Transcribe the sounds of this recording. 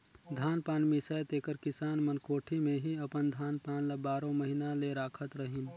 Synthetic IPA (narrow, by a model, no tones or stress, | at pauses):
d̪ʱaːnpaːnmisajt̪eːkəɾkɪsaːnmənkoːʈʰimeɦiəpənd̪ʱaːnpaːnlabaːɾõməɦinaleɾaːkʰət̪ɾəɦin